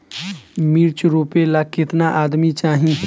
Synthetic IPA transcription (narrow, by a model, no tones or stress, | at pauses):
miːɾt͡ʃɾoːpelakɪt̪naʔaːd̪mit͡ʃaːɦĩ